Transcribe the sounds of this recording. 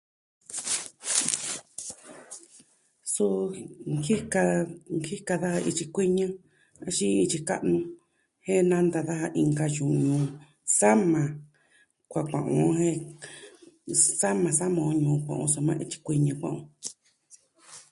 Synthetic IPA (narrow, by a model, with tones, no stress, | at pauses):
su˦ki˦ka˧ŋki˦ka˧ða˦ha˧ʔi˧t͡ʃi˧kʷi˦ɲɨ̃˦ | a˧ʃĩ˦i˧t͡ʃi˧ka̰˦ʔnũ˧ | hẽ˦nã˦nd̪a˧ða˦ha˧ʔi˧ŋɡa˧jũ˨ɲũ˧˨ | sa˦mã˨ | kʷa˨kʷã̰˨ʔõ̰˨˦hẽ˦ | sa˦mã˧sa˦mõ˨˧ɲũː˨˧kʷã̰˨ʔõ̰˧so˧mã̰˦ʔi˧t͡ʃi̥˧kʷi˧ɲã˧kʷã̰˧˨ʔõ̰˧